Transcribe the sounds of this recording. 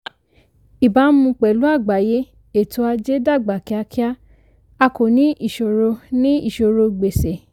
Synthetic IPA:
i˨ba˨˦mũ˧k͡pɛ˨lu˨˦a˦˨ɡ͡ba˨je˦ | e˦˨tu˨˧a˧d͡ʒe˦da˦˨ɡ͡ba˨ki˨˦a˧kʰi˦a˦ | a˧ko˨nĩ˦ʔi˦˨ʃo˨ɾo˧nĩ˦ḭ˦˨ʃo˨ɾo˧ɡ͡be˨se˨

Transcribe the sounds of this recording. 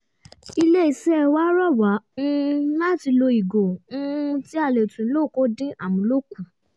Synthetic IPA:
i˧le˦i˨sɛ˦˧˨wa˦ɾɔ˦˨wa˨˦ũ˦la˦˨ti˧lo˧i˨ɡo˨ũ˦ti˦a˧˨le˨tũ˨˦lo˦˨ko˨˦dĩ˦ʔa˦˨mũ˨˦lo˦˨kũ˨

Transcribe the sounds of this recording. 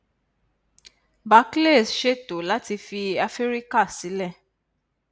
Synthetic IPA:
ba˨˦kle˦˨sʃe˦to˨la˦ti˧fi˧a˧fe˦ɾi˦ka˦˨si˨˦lɛ˦˨

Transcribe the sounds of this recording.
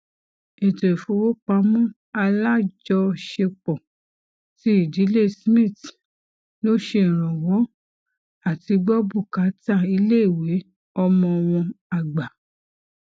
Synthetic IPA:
e˨te˨fo˨˦wo˦k͡pa˦mũ˦ | a˧la˦d͡ʒɔ˧ʃe˧k͡pɔ˨ | ti˦i˦˨di˨˦le˦˨smĩ˦˨t | lo˦ʃe˧˨ɾ̃ɔ̃˨wɔ˨˦ | a˦˨ti˧ɡ͡bɔ˦bu˦˨ka˨˦ta˦˨i˧le˦i˨we˨˦ | ɔ˧mɔ̃˧ɔ˧w̃ɔ̃˧a˨ɡ͡ba˨

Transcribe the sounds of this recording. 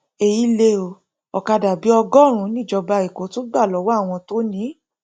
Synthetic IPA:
e˨ji˦le˧o˨ | ɔ˨ka˧da˨bi˨˦ɔ˧ɡɔ˦˨ɾ̃ũ˨˦nĩ˦˨d͡ʒɔ˧ba˧i˨ko˨˦to˦ɡ͡ba˦˨lɔ˨˦wɔ˦a˦˨w̃ɔ̃˧to˦nĩ˦

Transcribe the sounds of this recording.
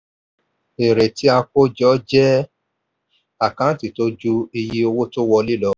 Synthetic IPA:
e˨ɾe˨ti˦a˧ko˦d͡ʒɔ˦d͡ʒɛ˦ | a˦˨kã˦ti˨to˦d͡ʒu˦i˧ji˦o˧wo˦to˦wɔ˧li˦lɔ˨˦

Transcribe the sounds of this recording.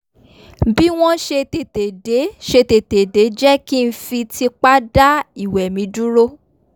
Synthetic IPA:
bi˦w̃ɔ̃˦ʃe˧te˨te˨de˨˦ʃe˧te˨te˨de˨˦d͡ʒɛ˦ki˦n̩˦fi˧ti˧k͡pa˦da˦i˦˨wɛ˨mĩ˨˦du˦ɾo˦

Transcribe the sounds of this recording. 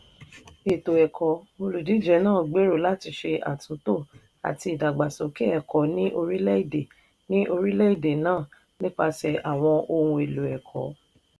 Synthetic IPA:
e˨to˨ɛ˨kʰɔ˨˦o˧lu˨di˨˦d͡ʒɛ˨˦nãː˦˨ɡ͡be˨˦ɾo˦˨la˦ti˧ʃe˧ʔa̰˨tũ˨˦to˦˨ | a̰˨ti˧i˨da˨ɡ͡ba˨sɔ˨˦ke˦ɛ˨kɔ˨nĩ˦ʔo˧ɾi˦lɛ˦i˦˨de˨ | nĩ˦ʔo˧ɾi˦lɛ˦i˦˨de˨nãː˦˨ | nĩ˦k͡pa˧sɛ˨ʔa˨w̃ɔ̃˧ʔo˧ũ˧e˨lu˨ɛ˨kʰɔ̰˨˦

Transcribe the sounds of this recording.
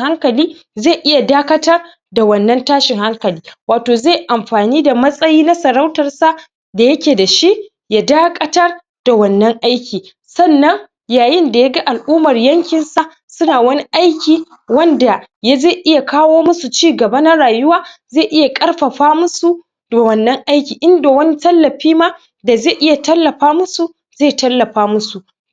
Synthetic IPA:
ha˦ŋkɐ˨liː˦ | zeː˦˨ʔɪ˦ja˨daː˦kɐ˦tɐ˦r | da˨wɐ˦˨nːɐ˦ntaː˦ʃɪ˨ŋha˦ŋkɐ˨liː˦waː˨toː˨ze˦˨jʔa˨mɸaː˨niː˦da˨mɐ˦sʼɐ˦jiː˦na˦sɐ˨ɾa˦wtɐ˨rsa˦ | da˨jɐ˦kʲeː˨da˨ʃi˦ʔ | ja˦daː˦kʼɐ˦tɐ˦r | d̥a˨wɐ˨nːɐ˦ŋʔa˦jkʲiː˨ | sɐ˦˨nːɐ˦ŋ | jaː˨jɪ˦nda˨ja˦ɡa˦ʔa˨lʔuː˦mɐ˨rjɐ˦ŋkʲɪ˨nsa˨ | sʊ˦naː˨wɐ˦ni˦ʔa˦jkʲiː˨ | wɐ˦nda˨ja˦ze˦˨ʔɪ˦ja˨kaː˦woː˦mʊ˦su˨t͡ʃiː˦ɡɐ˨ba˦na˦ɽaː˨jʊ˦waː˦ze˦˨ʔɪ˦ja˨kʼɐ˦rɸɐ˨ɸaː˦mʊ˦su˨ | da˨wɐ˨nːɐ˦ŋʔa˦jkʲiː˨ʔɪ˦nda˨wɐ˦ni˦tɐ˦lːɐ˨ɸiː˦ma˦ | da˨ze˦˨ʔɪ˦ja˨tɐ˦lːɐ˨ɸaː˦mʊ˦su˨ | z̥eː˦˨tɐ˦lːɐ˨ɸaː˦mʊ˦su˨ʔ

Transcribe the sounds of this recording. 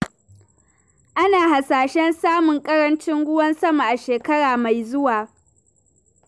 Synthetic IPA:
ʔa˦naː˨ha˨saː˨ʃɛ˦nsaː˦mʊ˨ŋkʼɐ˦ɽɐ˦nt͡ʃɪ˦ŋɡʷʊ˦wɐ˦nsɐ˦ma˨ʔa˨ʃeː˨kɐ˦ɽaː˨ma˨jzʊ˦waː˨

